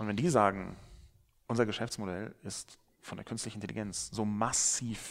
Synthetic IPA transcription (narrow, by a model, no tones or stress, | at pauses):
ʔʊntvɛndiːzaːɡŋ̩ | ʔʊnzɐɡəʃɛft͡smodɛlɪst | fɔndeːɐkʏnstlɪçn̩ɪntelḭɡɛnt͡sz̥oːmasiːf